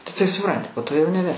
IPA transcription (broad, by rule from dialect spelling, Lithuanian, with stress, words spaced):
tɐɪ tɐɪp sʊˈprɐnʲtʲɪ poː toː jɛʊ nʲɛˈbʲɛ